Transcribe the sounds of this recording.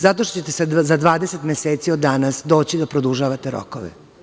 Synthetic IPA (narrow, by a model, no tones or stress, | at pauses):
zat̪̬oʃt̪o̥t͡ɕet̪eszad̪ʋaːd̪eset̪mʲeseːt̪siod̪ːanasd̪o̞ːt͡ɕid̪apɾod̪uʒaʋat̪eɾo̰ko̰ʋḛ